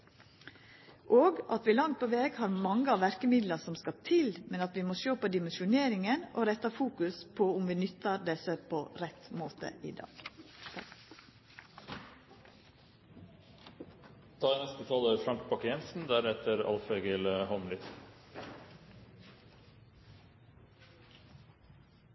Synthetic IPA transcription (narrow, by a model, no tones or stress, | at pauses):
ʔoːɡɑt̪ʋɪːlɑŋt̪̚pʰoʋeːɡhɑːɾmɑŋːəɑʋæɾkəmɪd̪ləsɔmskɑt̪ʰɪlmɛnɑt̪ʋɪmoʃøːpoːd̪ɪmɛnʃʊneːɾɪŋəno̰ːɾɛt̪ɑfuːkʉspʰɔʊmʋɪːnʏt̪ːɑɾd̪ɛsəpʰoɾɛt̪moːt̪ə̰ʔɪ̰d̪ɑ̰ːɡ̥ | t̪ʰɑːnɛst̪ət̪ʰɑləfɾɑŋk̚bɑkjɛnsn̩d̪æːɾhɛt̪əɾɑ̰lfeɡəlhɔmlʏt̪